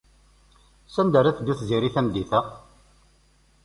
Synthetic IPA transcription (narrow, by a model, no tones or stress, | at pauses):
sænd̪æɾæθd̪iθziɾiθæmd̪iθæ